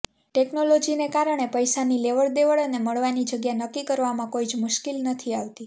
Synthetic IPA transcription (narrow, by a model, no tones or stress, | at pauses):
ʈeknolod͡ʒinekaɾəɳ̃epəjsanileʋəɭd̪eʋəɭəneməɭʋanid͡ʒəɡjanəkːikəɾʋamãkoid͡ʒmʊʃkilnət̪ʰiaʋt̪i